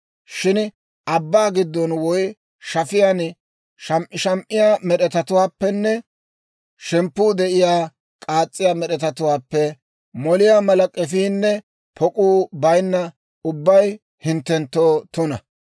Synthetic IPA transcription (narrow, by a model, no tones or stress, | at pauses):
ʃɪn | ʔɐbːaːɡɪd̪ːɔnwɔj | ʃɐfɪjan | ʃɐmʔɪʃɐmʔɪjaːmɛɗɛt̪ɐt̪ʊwaːpːɛnːɛ | ʃɛmpːuːd̪ɛʔɪjaː | kʼaːt͡sʼːɪjaːmɛɗɛt̪ɐt̪ʊwaːpːɛ | mɔlɪjaːmɐlɐkʼɛfiːnːɛ | pʰɔkʼuːbɐjnːɐ | ʊbːɐj | hɪnt̪ːɛnt̪ːoːt̪ʊnɐ